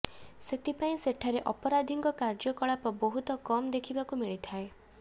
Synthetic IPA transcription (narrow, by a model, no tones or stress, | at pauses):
set̪ʰipaĩseʈʰaɾeʔɔpɔɾad̪ʱiŋkɔkaɾd͡ʒɔkɔɭapɔbɔɦut̪ɔkɔmd̪ekʰibakumiɭit̪ʰae